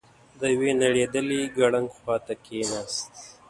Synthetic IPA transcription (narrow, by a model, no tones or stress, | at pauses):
d̪əwenaɽed̪əliɡaɽaŋɡxwɑt̪akʰenast̪̚